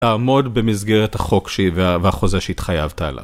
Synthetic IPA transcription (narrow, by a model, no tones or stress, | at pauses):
aːmo̞dbe̞mizɡeʁethaχo̞kʃeveaveaχo̞zaʃeit̪χajavta̰ːla̰v